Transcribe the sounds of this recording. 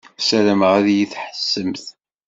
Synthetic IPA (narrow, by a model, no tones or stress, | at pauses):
sæɾəmʁæðjiθħə̥sːəmθ